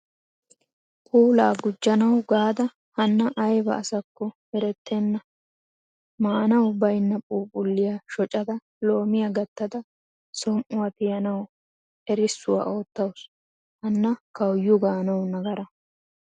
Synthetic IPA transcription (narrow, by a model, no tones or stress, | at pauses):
pʼuːlaːɡʊd͡ʒːɐnɐwɡaːd̪ɐ | hɐnːɐʔɐjbɐ̰ːsɐkːɔhɛɾɛt̪ːenːɐ | maːnɐwbɐjnːɐpʼuːpʼʊlːɪjɐʃɔt͡ʃʼɐd̪ɐ | lo̞ːmɪjɐɡɐt̪ːɐd̪ɐ | sɔnʔʊwɐt̪ɪjɐnɐw | ɛɾɪsːʊwa̰o̞ːt̪ːɐwʊs | hɐnːɐkɐwjːʊɡaːnɐwnɐɡɐɾɐ